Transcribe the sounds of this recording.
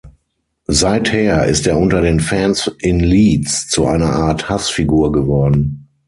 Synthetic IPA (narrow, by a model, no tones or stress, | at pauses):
zaɪtheːɐʔɪ̰steːɐʔʊntɐɾeːnfɛnsʔɪnliːt͡st͡suʔa̰ɪnɐʔaːɐthasfiɡuːɐɡəvɔɐdn̩